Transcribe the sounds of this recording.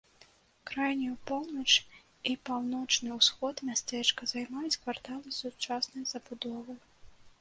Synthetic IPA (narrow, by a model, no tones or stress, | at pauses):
kɾajnʲiupɔwnɐt͡ʂ | ipawnɔt͡ʂnɨwsxɔt̪mʲast̪ɛt͡ʂkɐzajmajɛt͡sʲkvart̪alˠɨsut͡ʂasnɐjz̥ɐbud̪ɔvɨj